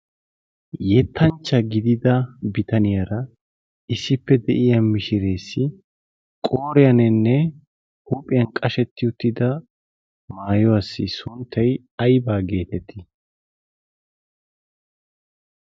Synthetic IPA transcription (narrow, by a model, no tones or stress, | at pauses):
jɛt̪ʰːɐnt͡ʃːɐɡɪd̪ɪd̪ɐbɪt̪ɐnɪjɐɾɐ | ɪsːɪpːɛd̪ɛʔɪjɐmɪʃɪɾe̞ːsːɪ | kʼoːɾɪjɐnɛnːɛ | huːpʼɪjɐnkʼɐʃɛt̪ːɪʊt̪ːɪd̪ɐ | maːjɔɐsːɪsʊnt̪ʰːɐj | ɐjbaːɡe̞ːt̪ɛt̪ʰːɪ